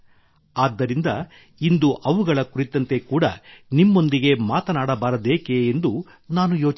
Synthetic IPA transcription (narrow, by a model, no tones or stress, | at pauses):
aːd̪ːɐɾind̪ɐ | ind̪uʔɐʋuɡɐɭɐkuɾit̪ːɐnt̪e̞kuːɽɐnimːo̞nd̪iɡe̞maːt̪ɐnaːɽɐbaːɾɐd̪eːke̞ːnd̪u | naːnujoːt͡ʃ